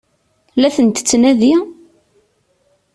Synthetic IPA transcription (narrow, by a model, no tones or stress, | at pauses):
læθənt̪ə̥t͡sːnæði